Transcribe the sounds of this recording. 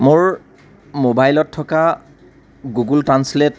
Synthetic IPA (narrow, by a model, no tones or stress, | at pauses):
mʊɹ | mobajlɔtʰːɔka | ɡuɡultɹanslet